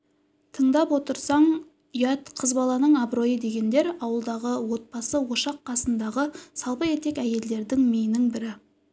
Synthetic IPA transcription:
t̪ʰəɴd̪ɑpwo̞t̪əɾsɑɴ | ijat̪qʰəzbɑlˠɑnəɴɑbɾo̞jəd̪e̞ɡʲe̞nd̪e̞ɾɑwəlˠd̪ɑʁəwo̞t̪̚bɑsəwo̞ʃɑqːɑsənd̪ɑʁəsɑlˠpəe̞t̪e̞kæje̞ld̪e̞ɾd̪ɪŋmejnɪŋbɪɾɪ

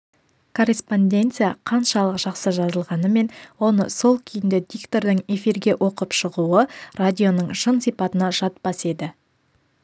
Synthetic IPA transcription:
kʰo̞rʲespo̞nd̪ʲe̞nt̪sɨjaqʰɑnʃɑlˠəqʒ̥ɑqsəʒɑzəlˠʁɑnəme̞nwo̞nəso̞lˠkʲʰɪjɪnd̪ɪd̪ikt̪o̞ɾd̪ɪŋe̞fiɾɡʲe̞ʔo̞qəpʃəʁuəradʲijo̞nəɴʒənsijpɑt̪ənɑʒɑt̪̚pɑse̞d̪ɪ

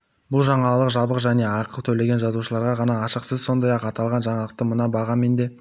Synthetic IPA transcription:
bʊlˠʒɑɴɑllˠəqʒɑbəqʒæne̞ɑqəlˠt̪ʰɵle̞ɡʲe̞nʒɑzuʃəlˠɑɾʁɑʁɑnɑːʃəqsəzso̞nd̪ɑjɑqɑt̪ɑlˠʁɑnʒɑɴɑlˠəq̚t̪əmənɑbɑʁɑnme̞nd̪e̞

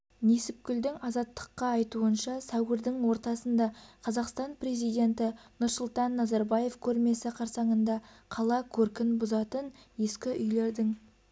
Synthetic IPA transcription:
ne̞sɪp̚kʲʏld̪ɪŋɑzɑt̪ːə̥qːɑːjt̪uənʃɑsæwɡɪɾd̪ɪŋwo̞ɾt̪ɑsənd̪ɑqʰɑzɑqst̪ɑnpre̞zijd̪e̞nt̪ɪnʊɾsʊlˠt̪ɑnːɑzɑɾbɑje̞fkʲʰɵɾme̞sɪqʰɑɾsɑɴənd̪ɑ | qʰɑlˠɑkʲʰɵɾkʲɪnbʊzɑt̪ənje̞skʲɪʔʏjle̞ɾd̪ɪŋ

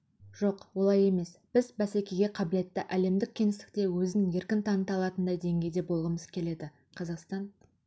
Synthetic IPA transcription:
ʒ̥o̞qwo̞lˠɑje̞me̞sb̥ɪzbæsekʲe̞ɡʲe̞qʰɑbɪle̞t̪ːɪʔæle̞md̪ɪk̚ʲʰːe̞nɪst̪ɪ̥k̚t̪e̞wɵzɪnje̞ɾkʲɪnt̪ʰɑnət̪ɑlˠɑt̪ənd̪ɑjd̪e̞ŋɡʲe̞jd̪e̞bo̞lˠʁəməzkʲʰe̞le̞d̪ɪ | qʰɑzɑqst̪ɑn

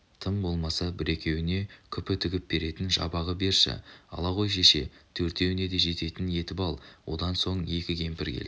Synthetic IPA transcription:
t̪ʰəmbo̞lˠmɑsɑbɪɾe̞kʲe̞wɪne̞kʲʰʏpɪt̪ʰʏɡʲɪp̚b̥e̞ɾe̞t̪ɪnʒɑ̰bɑʁəbe̞ɾʃɪ̰ɑ̰lˠɑʁo̞jʃe̞ʃe̞t̪ʰɵɾt̪e̞wɪne̞d̪e̞ʒe̞t̪e̞t̪ɪnje̞t̪ɪpɑlˠwʔo̞̰d̪ɑnso̞ɴje̞kʲɪɡʲʰe̞mpɪɾkʲʰḛl̰

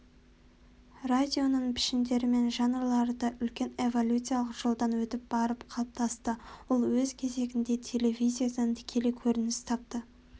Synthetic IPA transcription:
rad̪ʲijo̞nəɴpʰɪ̥ʃɪnd̪e̞ɾɪme̞nʒɑnəɾlˠɑɾəd̪ɑʔʏlkʲe̞ne̞vo̞lʲut̪sɨjaɑlˠəqʒ̥olˠd̪ɑnwɵt̪ɪp̚b̥ɑɾəpqʰɑlˠəp̚t̪ʰɑst̪əwʊlˠwɵzkʲʰe̞ze̞ɡʲɪnd̪e̞t̪ʲʰe̞le̞vʲijzʲijasənt̪ʰɪ̥kʲʰe̞lekʲʰɵɾɪnɪst̪ʰɑp̚t̪ə

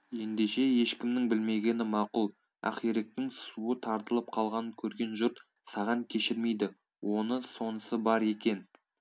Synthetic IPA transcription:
je̞nd̪e̞ʃe̞je̞ʃkʲɪmnɪŋbɪlme̞ɡʲe̞nɪmɑqʊlˠ | æ̰qiɾek̚t̪ɪŋsuət̪ʰɑɾt̪əlˠəp̚qʰɑlˠʁɑnəkʲʰɵɾɡʲe̞nʒʊɾt̪ | sɑʁɑŋkʲʰe̞ʃɪɾme̞jd̪ɪ | wʔo̞nəso̞nəsəbɑɾe̞kʲe̞n

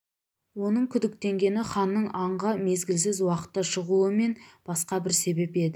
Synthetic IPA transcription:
wo̞nəɴkʲʰʏd̪ɪk̚t̪e̞ŋɡʲe̞nɪχɑnːəɴɑɴʁəme̞zɡʲɪlsɪzwɑqə̥t̪ːəʃəʁuəme̞nb̥ɑsqɑbɪɾse̞be̞pe̞d̪ɪ

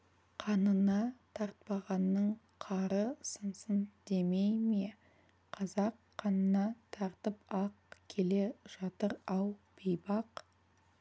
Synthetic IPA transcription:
qʰɑnənɑt̪ʰɑɾt̪̚pɑʁɑnːəɴ | qʰɑɾəsənsənd̪e̞mejme̞ | qʰɑzɑqʰːɑnənɑt̪ʰɑɾt̪əpɑqkʲʰe̞le̞ʒ̥ɑt̪əɾɑwb̥ejbɑq

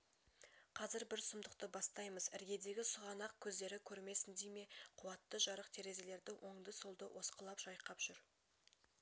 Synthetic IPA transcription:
qʰɑzɪɾbɪɾsʊmd̪əq̚t̪əbɑst̪ɑjməzɪɾɡʲe̞d̪e̞ɡʲɪsʊʁɑnɑq̚kʲʰɵzd̪e̞ɾɪkʲʰɵɾme̞sɪnd̪ejme̞qʰʊwɑt̪ːəʒɑɾəqt̪ʰe̞ɾe̞ze̞le̞ɾd̪ɪwʔo̞ɴd̪əsolˠd̪əwʔo̞sqəlˠɑpʒ̥ɑjqɑpʒ̥ʏɾ

